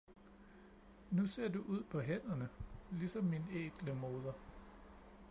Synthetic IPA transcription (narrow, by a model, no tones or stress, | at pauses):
nuse̝ɐ̰d̥uʔuð̞̰ˠpʰɒ̽ɦen̰ɐnəlisɒ̽mːinḛːɡ̥ləmo̝ːð̞ˠɐ